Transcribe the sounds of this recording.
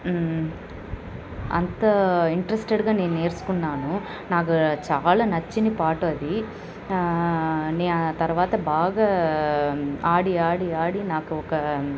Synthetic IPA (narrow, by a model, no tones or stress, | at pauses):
ɐ̰nt̪ɐiɳʈɐɾesʈeɖɡaːne̞ːnue̞ːɾsu̥kunːaːnu | naːk̬ut͡ʃaːlaːnɐt͡ʃːinipaːʈoɐd̪i | ne̞ːat̪ɐɾʋaːt̪ɐbaːɡaː | aːɽiaːɽiaːɽinaːkuɔkɐ